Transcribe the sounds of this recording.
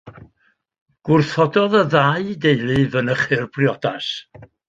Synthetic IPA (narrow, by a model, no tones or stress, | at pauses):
ɡ̥wʊrθɔdɔðəðaɨdejlˠɨvənəχɨrb̥rjɔdas